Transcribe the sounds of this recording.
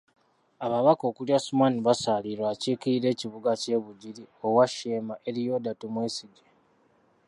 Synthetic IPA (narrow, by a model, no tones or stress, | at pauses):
aβaβako̞ːkuljasumaniβasaliɾwaːciːkiiɾe̞ːciβuɡace̞ːβuɟiɾio̞waʃeːmaʔe̞ɾijo̞ːdatumweːsiɡe